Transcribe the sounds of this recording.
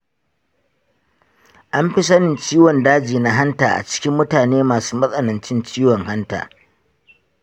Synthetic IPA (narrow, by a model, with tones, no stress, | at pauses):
ʔa˦mɸi˦sɐ˦nɪ˨nt͡ʃiː˦wɔ˨ndaː˦d͡ʒiː˨na˦ɦa˦ntaː˨ʔa̰˨t͡ʃɪ̥˦kʲɪ˦mːʊ˦taː˨neː˦maː˨suː˦mɐ˦sʼɐ˦nɐ˨nt͡ʃɪ˦nt͡ʃiː˦wɔ˨ŋha˦nta̰ː˨